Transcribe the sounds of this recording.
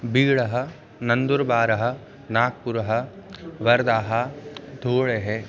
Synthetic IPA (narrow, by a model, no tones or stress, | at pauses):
biːɭɐɦɐ | nɐnd̪uɾbaːɾɐɦɐ̆ | naːk̚puɾɐɦɐ̆ʋɐɾd̪aːɦɐd̪ʱoːɭeɦe